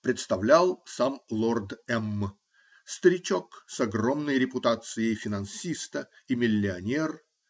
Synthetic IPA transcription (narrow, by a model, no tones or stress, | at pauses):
pɾʲɪt̪st̪ɐvlʲalˠsamlˠord̪ɛmː | st̪əɾʲɪt͡ɕoksɐɡro̞mnəjɾʲɪpʊt̪at̪sɨjəjfʲɪnɐnsʲist̪əimʲɪlʲːɪɐnʲer